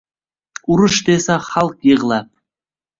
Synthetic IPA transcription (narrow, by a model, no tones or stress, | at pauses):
uɾəʃd̪esɑχɑlˠqjəʁəlˠɑp̚